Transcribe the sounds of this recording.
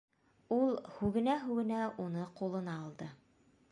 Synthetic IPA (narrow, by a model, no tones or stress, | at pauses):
ulˠhʉɡɘ̆næɦʉɡɘ̆næʔunɤqulˠɤ̆nɑːlˠd̪ɤ